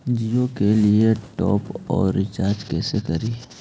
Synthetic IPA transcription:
d͡ʒijokelieʈɔ̰ːpɔ̰ːɾːɪt͡ʃaːɾd͡ʒkɛːsekɐɾiː

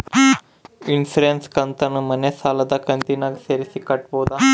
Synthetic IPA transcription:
insɾenskɐnt̪ɐnːumɐnːesaːlɐd̪ɐkɐnt̪inaːɡseːɾisikɐʈboːd̪a

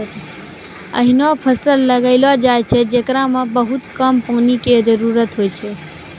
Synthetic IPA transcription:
ə̰ɦɪnopʰəsəlːəɡəɪlad͡ʒaːjt͡ʃʰed͡ʒekɾãmãbəɦʊt̪kəmpõːnikezəɾuːɾət̪ɦoːit͡ʃʰe

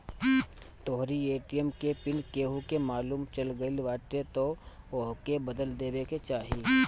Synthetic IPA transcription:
t̪oːɦɾieːʈijəmkepɪnkeːɦukemaːluːmt͡ʃɐlɡəɪlʋaːʈet̪ooɦkebɐd̪əld̪eːbeket͡ʃaːɦiː

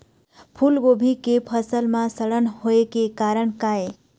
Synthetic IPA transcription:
pʰulɡobʱikepʰəsəlmãsəɽənhoekekaɾəɳkae

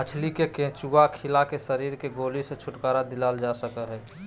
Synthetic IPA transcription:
ət͡ʃʰlikekẽt͡ʃuakʰɪlakesəɾiːɾkeɡoːliset͡ʃʰʊʈkaːɾad̪ɪlaːld͡ʒasəkəɦɛː

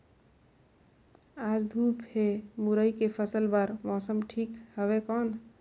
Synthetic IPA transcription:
ad͡ʒd̪ʱupemuɾəjkepʰəsəlbaɾmɔsəmʈʰikhəbekɔn

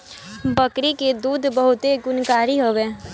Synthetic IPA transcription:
bəkɾiked̪uːd̪ʱbəɦʊt̪eɡʊnkaːɾiɦoʋeː

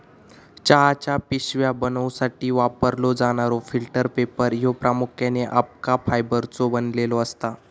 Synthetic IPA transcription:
t͡ɕaɦat͡ɕapiɕʋjabənəwsaʈiːʋapəɾlod͡zaɽ̃aɾofilʈəɾpepəɾjopɾamukʰjaneʔap̚kafajbəɾt͡sobənlelɔəst̪a

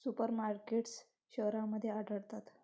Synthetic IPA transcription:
supəɾmaɾkeʈs | ɕəʋɾãməd̪ʱːjeaɖʱəɽt̪at̪

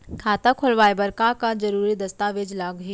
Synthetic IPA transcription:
kʰaːt̪akʰʊlʋaːebɐɾkakad͡ʒɐɾuːɾid̪ɐst̪aːʋeːd͡ʒlaːɡɦi

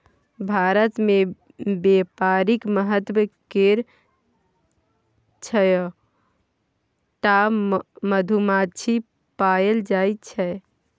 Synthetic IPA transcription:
bʱaɾət̪me | bepaɾikməɦət̪wəkeɾ | t͡ʃʰəj | ʈaməd̪ʱumat͡ʃʰi | paeld͡ʒajt̪t͡ʃʰɛ

